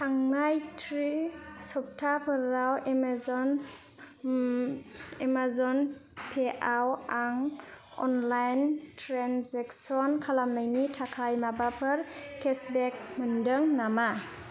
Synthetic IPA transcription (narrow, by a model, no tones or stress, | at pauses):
tʰaŋnajtʰɾisɔp̚tʰapʰɯɾawemzɔn | emazɔnpʰeʔawaŋ | ɔ̰nlajntʰɾanseksɔnkʰalamnajnitʰakʰajmabapʰɯɾkʰesbɛk̚mɯndɯŋnama